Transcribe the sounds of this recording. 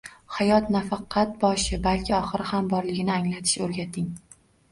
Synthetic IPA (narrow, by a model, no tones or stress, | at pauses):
hajɒt̪nafɑqʰːɑt̪̚bɒʃɪbalkʲʰɪɒχɨɾɪhambɒɾlɪɡʲɪnɪaŋlat̪ʰɪ̥ʃɵɾɡʲat̪ʰɪŋ